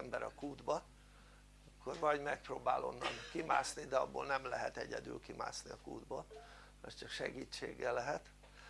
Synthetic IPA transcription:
ɛmbɛɾɒkuːd̪bɒ | ɒkʰːo̞rvɒɟmɛk̚proːbaːlo̞nːɒnkimaːsnid̪ɛɒbːoːlnɛmlɛɦɛt̪ɛɟɛd̪y̰ːlkima̰ːsniɒkuːd̪bɒ | ɒst͡ʃɒkʃɛɡiːt͡ʃːeːɡːɛlɛɦɛt̪

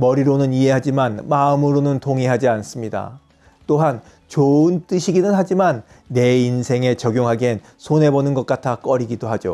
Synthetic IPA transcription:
mʌɾiɾonɯniɦe̞ɦad͡ʑimanmaɯmɯɾonɯntʰoŋiɦad͡ʑians͈ɯmɲida̰ | t͈oɦan | t͡ɕoɯnt͈ɯɕʰiɡinɯnɦad͡ʑimanː | e̞insʰe̞ŋe̞t͡ɕʌɡjoŋɦaɡen | sʰone̞bonɯnɡʌt̚k͈atʰak͈ʌɾiɡidoɦad͡ʑo̰

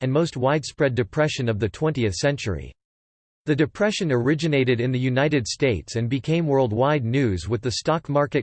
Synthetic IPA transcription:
ɨ̃nmoʊst̚waɪd̥spɹɛdɨpʰɹ̥ɛʃɨ̃nʌvðɨtʰw̥ɛ̃ntiɨθsɛ̃nt͡ʃə̰˞ḭ | ðɨdɨpʰɹ̥ɛʃɨ̃nə˞ɪd͡ʒɨneɪɾɨɾɨ̃nðɨjʉnaɪɾɨd̥steɪtsɨ̃nbɨkʰẽɪ̃mwɜ˞lˠd̚waɪdⁿnʉzwɨðɨstɑkmɑɹkɨt̚

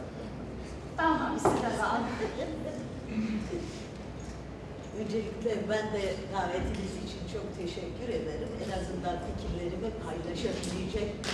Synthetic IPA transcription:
t̪anɦambisilʲad̪aːnd̪ed̪imd̪ | ønd͡ʒe̞lʲicʲlʲebænd̪ɛɾaːɾet̪ʰimizit͡ʃʰint͡ʃʰo̞k̚t̪ʰe̞ʃɛcʲːyɾe̞d̪eɾimḛnazɯnd̪ant̪ʰicʰimlʲe̞ɾimɛpʰajlˠaʃɯlijd͡ʒac

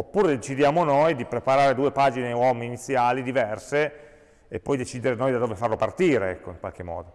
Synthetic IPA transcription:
opːuːɾed̪et͡ʃid̪jaːmonojd̪ipɾepaɾaːɾed̪uːepaːd͡ʒinewɔːminit̪sːjaːlid̪ivɛrse | epːɔjd̪et͡ʃiːd̪eɾenoːjd̪ad̪oːvefarlopart̪iːɾeɛ̰kːoiŋkwa̰lk̟emːɔ̰ːd̪o

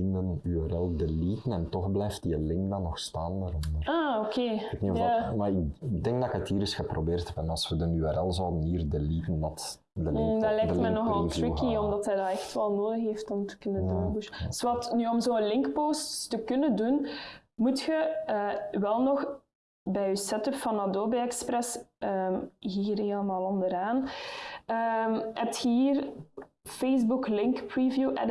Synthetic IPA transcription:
ɪndənyɛɾɛlˠdəliːtənɛntɔxblɛjftiəlɪŋkdɑnɔxstaːndaːɾɔdəraːokʰeːɛtniaːmaɪkdɛŋɡdɑkətiːɾɪsxəprobeːrtʰɛbɛnɑlˠsʋədənyɛɾɛlˠzɑwdəniːrdəliːtəndɑt | dədlɛjktmɛnːɔxɑlˠtɹɪkiɔmdɑtɦɛjdaːɛxtʋɛlˠnoːdəxɦeːftɔmtə̥kɵnəndundɵssʋɑtnyɔmzoːənlɪŋkpoːsttəkɵnəndun | mutxəəːʋɛlˠnɔx | bɛjysɛtəpfɑnɑdoːbeɛkspɾɛsəːmɦiːɾelˠəmaːlˠɔndəɾaːn | əmhɛ̰p̚txəiːr | feːzbuklɪŋkpɹivjuʔɛ̰d

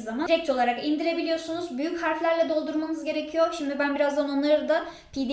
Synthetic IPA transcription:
amaɾɛc̚t̪ʰo̞lˠaɾakind̪iɾe̞bilʲijo̞ɾsunuzbyjychaɾflʲæɾlʲɛd̪o̞lˠd̪uɾmanɯzɟe̞ɾe̞cʰijo̞ʃimd̪ibænbiɾazd̪ano̞nlˠaɾɯd̪a | pʰid̪

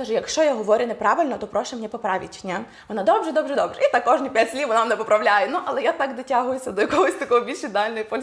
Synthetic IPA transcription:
ɐʒɛjɐkʃt͡ʃɔjaɦɔʋɔɾʲʊnepɾɑʋɪlʲnɔt̪ɔpɾɔʃɛmnʲɛpɔpɾɑʋʲḭtʲnʲa | ʋɔnɑd̪ɔbʒɛd̪ɔbʒɛd̪ɔbʒɛit̪ɑkːɔʒnʲipʲjatʲsʲlʲiʋɔnɑmnɛpɔpɾɐʋlʲajɛnuʔɐlˠɛjat̪ɑkd̪ɪtʲaɦʊjʊsʲɐd̪ɔjɐkɔɦɔsʲt̪ɐkɔɦɔbʲilʲʃɪd̪ɑlʲnɔjipɔlʲ

